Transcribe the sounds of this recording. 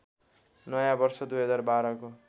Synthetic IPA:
nʌjãbʌrsʌd̪ujɦʌd͡zarbaɾʌko

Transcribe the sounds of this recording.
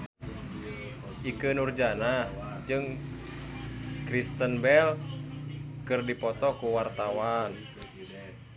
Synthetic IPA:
ʔikɨnurd͡ʒana | d͡ʒɨŋ | kɾist̪ənbɛl | kɨrdipɔt̪ɔkuwart̪awan

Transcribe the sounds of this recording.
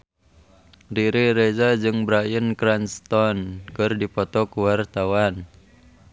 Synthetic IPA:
riɾiɾezad͡ʒɨŋbɾajənkɾanst̪ɔnkɨrdipɔt̪ɔkuwart̪awan

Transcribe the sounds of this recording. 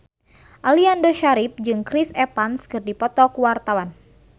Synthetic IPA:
ʔaliandoʃaɾip̚d͡ʒɨŋkɾisɛpanskɨrdipɔt̪ɔkuwart̪awan

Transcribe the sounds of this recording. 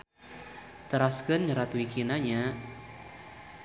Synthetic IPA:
t̪əɾaskənɲəɾat̪wikinaɲa

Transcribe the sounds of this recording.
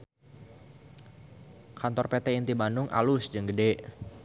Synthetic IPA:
kant̪ɔrpet̪ɛint̪ibanʊŋʔa̰lʊsd͡ʒəŋɡədɛʔ

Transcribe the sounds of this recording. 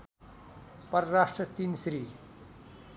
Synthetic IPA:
pʌɾːaʂʈrʌt̪insɾi

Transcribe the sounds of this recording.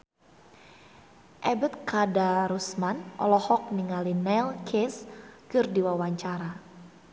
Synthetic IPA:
ʔɛbət̪̚kadaɾusmanɔ̰lɔhɔk̚niŋalinɛlkʰeskɨrdiwawaɲt͡ʃaɾa

